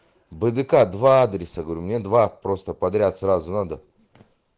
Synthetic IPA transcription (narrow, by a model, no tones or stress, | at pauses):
bɨd̪ɨkad̪vaad̪ɾʲɪsəɡəvɾʲumnʲe̞d̪vapɾo̞st̪əpɐd̪ɾʲat̪srazʊnad̪ə